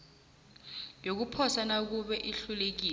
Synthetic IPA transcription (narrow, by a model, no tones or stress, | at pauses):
jok̬upʰɔsanak̬uɓɛʔiɬulek̬iː